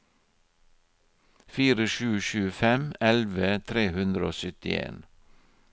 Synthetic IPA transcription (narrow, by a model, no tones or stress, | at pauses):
fiːɾəʃʉːʃʉːfɛmɛlʋət̪ʰɾeːhʉnd̪ɾəoːsʏt̪ɪ̰ḛːn